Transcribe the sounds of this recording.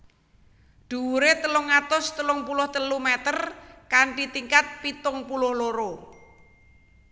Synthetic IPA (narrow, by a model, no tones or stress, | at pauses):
ɖ̪̥ṳuɾet̪əlʊŋːat̪ʊst̪əlʊŋpulʊht̪əlumɛt̪ərkaɳʈit̪iŋkat̪̚pit̪ʊŋpulʊhloɾo